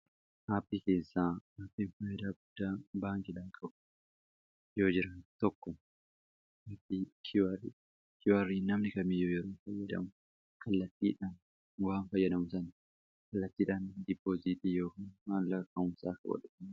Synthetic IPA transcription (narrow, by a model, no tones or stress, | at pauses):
ʔaːpːiːke̞ːsːaːaːpːinfɐjːɐd̪aːɡʊd̪̥ːaːbaːŋkʼɪᶑaːŋkʼɐɓʊ | joːd͡ʒɪɾɐnt̪ɔkːɔ | hapːikʰw | kɪwɐrːiːnɐmnɪkɐmijoːd͡ʒɪɾeːnfɐjːɐd̪ɐ̰mʊ | kʰɐlːɐt̪ːiːᶑaːn | ɡɔhanfɐjːɐd̪ɐmʊsɐn | kɐlːɐt̪ːiːᶑaːnd̪ɪpːoːzit̪ʼijoːkaːnmaːnlɐkːɐʊmsaːkɐ̰wɔ̰ᶑʊ